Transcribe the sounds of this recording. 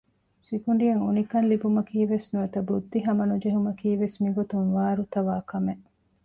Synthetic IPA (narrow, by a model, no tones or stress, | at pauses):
sikuɳ̆ɖijɐŋunikɐnlibumɐkiːʋesnuɐt̪ɐbud̪ːiɦɐmɐnud͡ʒeɦumɐkiːʋesmiɡot̪uŋʋaːɾut̪ɐʋaːkɐmeʔ